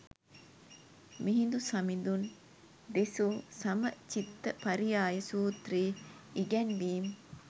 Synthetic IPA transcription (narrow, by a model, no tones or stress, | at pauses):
miɦind̪usɐmind̪un | d̪esuːsɐmət͡ʃit̪ːəpɐɾijaːjɐsuːt̪riː | iɡɛnʋiːm